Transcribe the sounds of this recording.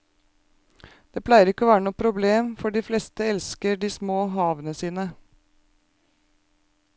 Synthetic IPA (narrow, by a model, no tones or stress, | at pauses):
d̪̥eːpʰlæɪəɾɪkːəɔːʋæːɾənuːpʰɾʊbleːmfɔɖiːflɛst̪əɛlskəɖiːsmoːɦɑːʋənəsiːnə